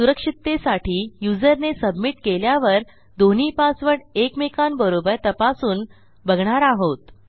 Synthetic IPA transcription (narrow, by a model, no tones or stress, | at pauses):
suɾəkʂit̪ːesaʈiːjud͡zəɾnesəbmiʈkeljaʋəɾ | d̪on̤iːpasʋəɽekmekʰanbəɾobəɾt̪əpasuːn | bʱəɡɳaɾaɦot̪